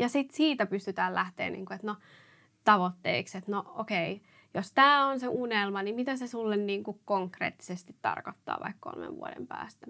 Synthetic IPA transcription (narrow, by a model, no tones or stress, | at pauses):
jɑsit̪siːt̪æpyst̪yt̪æːllæht̪ḛːnʔḭːŋkuet̪no | t̪ɑʋot̪ːḛikset̪nookei | jost̪æːonseʔunelmɑnimit̪æsesulːenniːŋkukkoŋkrḛːt̪ːi̥sest̪it̪ːɑ̰rkot̪ːɑ̰ːʋɑ̰ikko̰lmḛʋʋṵo̰dḛmpæ̰ːst̪æ̥